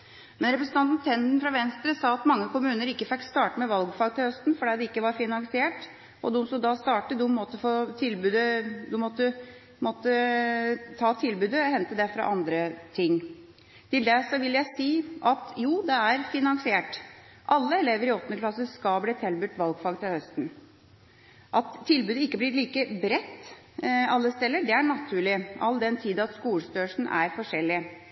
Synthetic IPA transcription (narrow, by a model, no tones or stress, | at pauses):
mɛnɾɛpɾəsn̩ɑnt̪nt̪ʰɛnd̪n̩fɾɑʋɛnst̪ɾəsɑːɑt̪mɑŋːəkʊmʉːnəɾɪkːəfɪkt̪st̪ɑːʈəmɛʋɑlɡfɑɡ̚t̪ʰɪlhœst̪nfɔɖɛːd̪ɛɪkːəʋɑɾfɪnɑnsɪeːʈ | ʔɔd̪ʊmst̪uːd̪ɑst̪ɑːʈəd̪ummɔt̪ːəfoːt̪ʰɪlbʉːd̪əd̪ʊmɔt̪ːə | mɔt̪ːə | t̪ʰɑːt̪ʰɪlbʉːd̪əhɛnt̪əd̪æfɾɑ̰ʔɑnd̪ɾət̪ʰɪŋː | t̪ɪld̪ɛsɔʋɪljæɪsiːʔɑt̪juːd̪ɛæɾfɪnɑŋsɪeːʈ | ʔɑlːəɛleːʋəɾɪɔt̪ːnəklɑsəskɑlbliːt̪ʰɛlbʉt̪ːʋɑlɡfɑɡt̪ɪhœst̪n̩ | ʔɑt̪ʰːɪlbʉːd̪əɪkːəblɪɾɭiːkəbɾɛt̪ː | ɑlːəst̪ɛlːəɖɛæɳɑt̪ʰʉːɭɪʔɑld̪ɛnt̪ʰiːd̪nɑt̪skuːlst̪øːʂn̩ʔæɾfɔʂɛlːɪə